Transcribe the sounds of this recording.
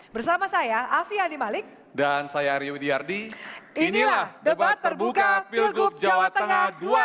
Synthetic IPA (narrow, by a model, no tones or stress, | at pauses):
bərsamasajaʔafianimalɪk̚ | dansajaɾiwdiardiinilaahdəbat̪ːərbukapillɡʊp̚d͡ʒaawat̪əəŋadua